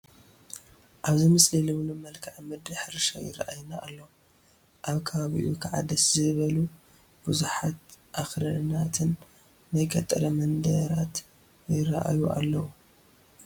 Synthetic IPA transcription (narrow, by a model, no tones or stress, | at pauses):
ʔaβzimɨslilɨβlumɐlkʰaʕmɨd̪ɨħɾʃajɪ̰ɾaʔajnaʔːlːɐwu | ʔaβkʰɐβaβḭʔukʰaʕa̰d̪ɐszɨβɐlu | b̥ɨzuħat̪ʔaxɾɐɾnat̪ʰɨnː | ajkʰɐt̪ʼɐɾɐmɐnd̪ɐɾat̪ | jɪɾɐʔa̰juʔa̰lːɐwu